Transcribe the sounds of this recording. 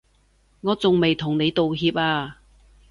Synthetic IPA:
ŋɔː˨˧t͡sʊ˨ŋme˨jt̪ʰʊ˨˩ŋne˨˧jt̪o˨wɦiː˧p̚aː˧

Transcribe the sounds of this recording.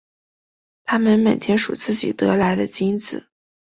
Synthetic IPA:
t̪ʰa˥mə˨nmə˨˩t̪ʰjɛ˧˥nʂṵ˨˩t͡sɹ̩˥˩t͡ɕḭ˨˩t̪ɤ˧˥la˧˥ɪd̪ə̰˧t͡ɕi˥nt͡sɹ̩˨˩˦

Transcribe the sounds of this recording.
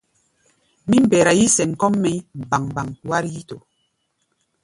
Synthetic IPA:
mi˦m̩˦˨bɛː˨ɾa˨ji˦sɛ˨ŋ̩˨kɔ˦mːɛ˦m˨ba˨ŋba˨ŋwa˦ɾji˦to˨

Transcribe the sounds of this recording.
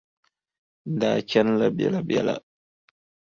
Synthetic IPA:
ndaː˨t͡ʃʲɐ˦nlɐ˨bɛ̰˨la˨bɛ˨la̰˨

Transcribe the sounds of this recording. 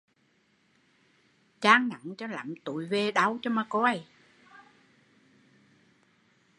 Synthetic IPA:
t͡ɕaː˧ŋna̰˨˦ŋt͡ɕɔ˧la̰˨˩˦mt̪ṵ˨˩˦jve˧ɗa˧wt͡ɕɔ˧maː˧ko˧˦ʔa˨˧˩j

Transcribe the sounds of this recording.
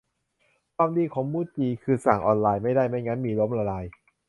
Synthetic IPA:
kʰwaː˧mdiː˧kʰɔː˩˦ŋmuː˦˥˩t̪̚t͡ɕiː˧kʰɯː˧sa˨˩ŋʔɔː˧nlaː˧jma˥˩jdaː˥˩jma˥˩jŋa˦˥nmiː˧lo˦˥mɾaː˧laː˧j

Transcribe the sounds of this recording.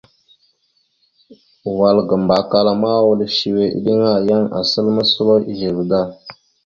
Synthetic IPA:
wa˨lɡə˨mba˨ka˦la˨ma˦wu˦lʃi˨we˨ʔḭ˦ɗi˦ŋa˦˨ja˦ŋa̰˨sə˦lmə˦su˦lo˦i˦ʒi˨bda˦

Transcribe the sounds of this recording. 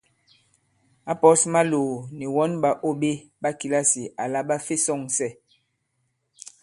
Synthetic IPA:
a˦pɔ˦sma˦loː˨ni˨wɔ˦nba˨ʔo˦be˦ | ba˦ki˨la˦si˨ʔa˨la˦ɓa˦fe˦sɔ˦˨ŋsɛ˦˨

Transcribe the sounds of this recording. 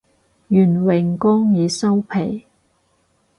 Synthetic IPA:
jyː˨˩nwɪ˨˩ŋkɔː˥ŋjiː˨sɐ˥wpʰe˨˩j

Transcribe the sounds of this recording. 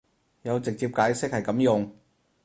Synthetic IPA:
jɐ˨˧wt͡sɪ˨k̚t͡siː˧p̚kaː˨˧˥jsɪ˥k̚hɐ˨˩jkɐ˨˥mjʊ˨ŋ

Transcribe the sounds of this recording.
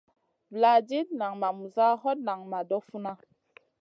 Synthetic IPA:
vla˨d͡ʒe˦t̚na˨ŋma˨mu˨za˦ɦɔ˦t̚na˨ŋma˨dɔ˦fu˦na˦

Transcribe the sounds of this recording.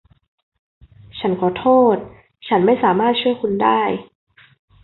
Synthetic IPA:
t͡ɕʰa˦˥nkʰɔː˨˩˦t̪ʰoː˥˩t̪̚ | t͡ɕʰa˦˥nma˥˩jsaː˩˦maː˥˩t̪̚t͡ɕʰu˥˩jkʰu˧ndaː˥˩j

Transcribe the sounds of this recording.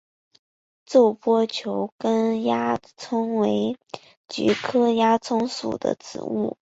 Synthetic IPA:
t͡so˥˩ʊpwɔ˥t͡ɕʰjo˧˥ʊkə˥nja˥ | t͡sʰʊ˥ŋwe˧˥ɪ | t͡ɕy̰˧˥kʰɤ˥ja˥t͡sʰʊ˥ŋsṵ˨˩d̪ə̰˦t͡sɹ̩̰˨˩ṵ˥˩

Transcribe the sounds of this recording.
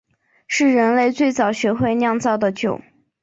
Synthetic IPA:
ʂɻ̩˥˩ɻə˧˥nle˥˧ɪt͡swe˥˩ɪt͡sɑ˨˩ʊɕɥɛ˧˥xwe˥˧ɪnjɑ˥˧ŋt͡sɑ˥˩ʊd̪ə˩t͡ɕjo˨˩˦ʊ

